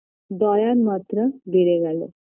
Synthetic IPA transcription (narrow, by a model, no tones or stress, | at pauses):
d̪ɔjanmat̪ɾəɡ̪ʱeɾeɡalḛ